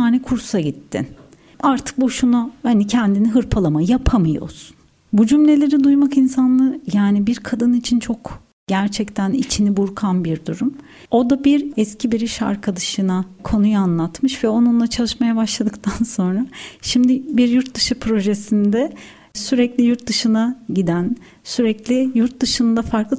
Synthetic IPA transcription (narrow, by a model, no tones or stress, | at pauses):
aːnɛkʰuɾsaɟit̪ʰːḭn | aɾt̪ʰɯ̥k̚buʃunuhanicʰɛnd̪iniɦɯɾpʰalˠamajapʰamɯjo̞̰su̥n | bud͡ʒymlʲe̞lʲe̞ɾid̪ujmakinsanlˠɯjaːnibiɾkʰad̪ɯnit͡ʃʰint͡ʃʰo̞k | ɟæɾt͡ʃʰɛct̪ʰænit͡ʃʰinibuɾkʰanbiɾd̪uɾum | o̞d̪abiɾɛscʰibiɾiʃa̰ɾkʰad̪aʃɯnakʰo̞nujanlˠat̪mɯʃvɛo̞nunlˠat͡ʃʰalˠɯʃmajabaʃlˠad̪ɯk̚t̪ʰanso̞nɾaʃimd̪ɪbiɾjuɾt̪̚d̪ɯʃɯpʰɾo̞ʒesind̪ɛ | syɾɛclʲijuɾt̪̚d̪ɯʃɯnaɟid̪æn | syɾɛclʲɪjuɾt̪̚d̪ɯʃɯnd̪afaɾklˠɯ